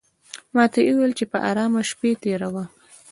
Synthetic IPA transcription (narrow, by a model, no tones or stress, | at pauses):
mɑt̪aʔuwelt͡ʃepəʔaɾɑmaʃpet̪eɾawa